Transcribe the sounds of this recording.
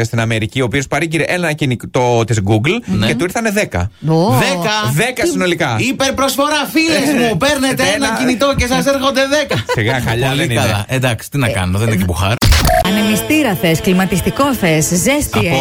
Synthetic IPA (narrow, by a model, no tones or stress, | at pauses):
est̪inɐme̞ɾicio̞ːpio̞spɐɾiɟiɾeʔenɐcinikt̪ot̪izɡuɡlnceuiɾθɐne̞ðekɐ̰ðekɐðekɐsino̞likɐipe̞ɾpɾo̞sfo̞ɾɐfilezmmupeɾnet̪eenɐcinit̪oce̞sɐseɾxo̞nd̪eðekɐsiɣɐxɐʎɐðeniɐɐend̪ɐksi̥t̪inɐkɐ̰noðeeinecebuxɐɾɐnemist̪iɾɐθe̞sklimɐt̪ist̪iko̞θeszest̪